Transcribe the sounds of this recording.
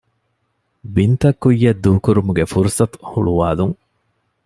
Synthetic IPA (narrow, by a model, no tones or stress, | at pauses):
bint̪ɐkːujːɐd̪ːuːkuɾumuɡefuɾusɐt̪u̥huɭuʋaːluŋ